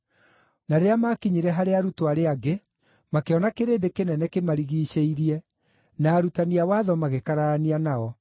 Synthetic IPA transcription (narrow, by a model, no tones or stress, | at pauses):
naɾeamaːkiɲiɾɛɦaɾeaɾutoaɾeaɡe | makeɔnakeɾeːndekenɛnɛkemaɾiɣiːɕeiɾiɛ | naːɾutaniawaːðɔmaɣekaɾaɾanianaɔ